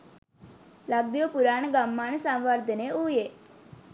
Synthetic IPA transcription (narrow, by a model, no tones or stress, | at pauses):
laɡ̚d̪ijopuɾaɳɡamːansãmʋaɾd̪ʱəneuje